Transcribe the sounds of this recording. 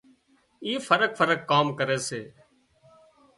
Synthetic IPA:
iːfʰəɾək̚fʰəɾəkːaːmkəɾeːseː

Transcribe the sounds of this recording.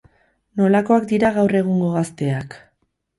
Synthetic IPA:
no̞lako̞akd̪iɾaɣawre̞ɣ̞uŋɡo̞ɣast̪e̞ak

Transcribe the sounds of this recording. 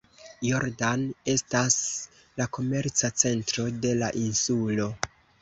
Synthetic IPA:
jo̞ɾdane̞stas | lako̞me̞ɾt͡sat͡se̞ntɾo̞de̞laʔinsulo̞

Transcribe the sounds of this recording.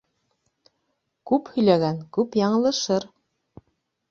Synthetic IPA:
kʉphɵ̆jlæɡæŋkʉpjɑɴɤ̆lˠɤ̆ʃɤɾ

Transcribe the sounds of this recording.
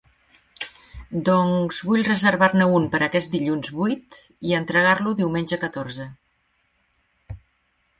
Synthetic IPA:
d̪ɔŋzβuʎrəzəɾβaɾnəumpəɾʔəkɛzd̪iʎunzβujt̪iənt̪ɾəɣ̞aɾluðiwmenʲʒəkət̪oɾzə

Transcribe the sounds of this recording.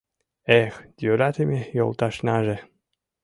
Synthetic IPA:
exd̪̥ʲøɾat̪emʲejo̰lˠt̪ɑʃnaʒĕ

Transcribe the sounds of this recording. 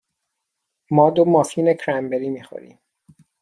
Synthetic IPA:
mɒːd̪omɒːfiːnekʰɾæmbeɾiːmiːxo̰ɾḭːm

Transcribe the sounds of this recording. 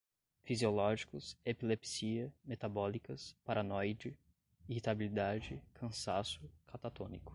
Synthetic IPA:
fiziolɔʒikʊsepilepsiɐmet̪abɔlikɐspaɾʔanɔjd͡ʒɪ | ihit̪abilid̪ad͡ʒɪkʰɐ̃sasʊkʰat̪at̪õ̰nikʊ̥

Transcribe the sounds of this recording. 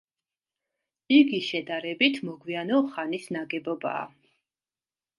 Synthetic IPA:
iɡiʃɛd̪aɾɛbit̪ʰmɔɡwianɔχanisnaɡɛbɔba̰ː

